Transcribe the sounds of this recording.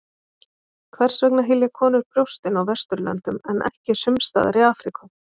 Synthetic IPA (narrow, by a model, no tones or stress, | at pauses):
kʰvɛr̥svœk̚naɦɪljakʰɔːnʏɾ̥pɾjowst̪ɪnawvɛst̪ʏɾlɛ̰nt̪ʏmɛnʔɛ̰hcɪ̥sʏmst̪a̰ːða̰ɾɪaːfɾikʏ